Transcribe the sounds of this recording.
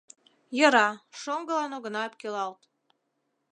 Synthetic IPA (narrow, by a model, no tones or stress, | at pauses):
jə̆ɾɑʃoŋɡəlɑnoɣə̆nɑep̚kølɑlt̪